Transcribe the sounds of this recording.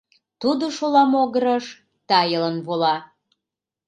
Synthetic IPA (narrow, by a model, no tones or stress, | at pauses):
t̪ud̪oʃolɑmoɣəɾəʃ | t̪ɑjələnβolɑ